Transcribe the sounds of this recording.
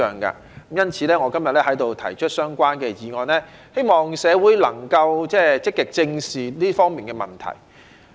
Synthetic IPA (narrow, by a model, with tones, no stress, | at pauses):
œː˨ŋka̰ː˧˨˥ | mjɐ˥nt͡sʰiː˨˧lɛː˥ŋɔː˨˧kɐ˥mjɐ˨t̚lɛː˥hɐ˨˥jt̪o˨˧wt̪ʰɐ˨˩jt͡ʃʰɵ˥t̚sœː˥ŋkʷaː˥nkɛː˧jiː˨ŋɔː˨˧nɛː˥he˥jmɔː˨ŋsɛː˨˧wuː˨˥jlɐ̰˨˩ŋkɐ˧wt͡sɛː˥t͡sɪ˥kːɪ˨k̚t͡sɪ˧ŋsiː˨liː˥fɔː˥ŋmiː˨nkɛː˧mɐ˨˩nt̪ʰɐ̰˨˩j